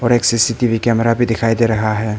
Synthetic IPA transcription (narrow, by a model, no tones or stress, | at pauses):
ɔːɾeːksisiʈiʋʱikɛːmɛɾabʱid̪ɪkʰaːid̪eɾɐɦaɦɛː